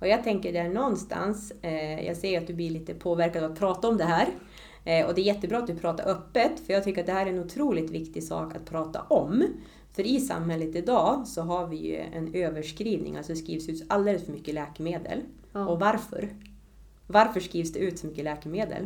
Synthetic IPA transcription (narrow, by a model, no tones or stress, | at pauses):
ɔjɑːɡ̚t̪ʰɛŋkəɖɛæɳɔnːst̪ʰa̰nsjʔɑ̰ɡsɛjːəɾat̪̚d̪ɵblɪɭiːt̪əpʰoːvæɾkad̪vat̪̚pʰɾɑːt̪aɔmd̪ɛɦæːɾ | ɔ̰d̪ɛæɾjɛt̪ːəbɾɑːat̪d̪ɵpʰɾɑːt̪a̰ɾʔœpːət̪fœjɑːɡt̪ʰʏkːəɾat̪d̪ɛhæːɾæɾɛnʊt̪ʰɾuːlɪt̪vɪkt̪ɪsɑ̰ːkat̪̚pʰɾɑːt̪a̰ʔɔm | fœɾɪsa̰mhɛlːət̪ɪd̪ɑːsɔɦaɾvɪjɵ̰ɛ̰nøːvəʂkɾiːvnɪ̰ŋʔa̰lsɔd̪ɛskɾiːvsʉːt̪ald̪eːləsfœɾmʏkːəlɛːkɛmeːd̪ə̰l | ɔvaɾfœ̰ɾ | vaɾfœʂkɾiːvsd̪ɛʉ̟ːt̪sɔmʏkːəlɛːkɛmeːd̪ə̰l